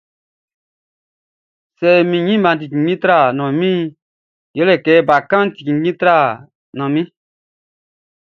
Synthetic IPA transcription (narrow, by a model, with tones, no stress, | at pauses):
sɛ˨mĩ˨ɲĩ˦mã˧˨ti˨kĩ˨ɡĩ˦tɾa˦˨nɔ̃˨mĩ˦ | jɛ˨˦lɛ˨kɛ˨˦˨ba˨kã˦ti̥˨kĩ˨˦ĩ˦tɾa˦˨ | nɔ̃˨mĩ˦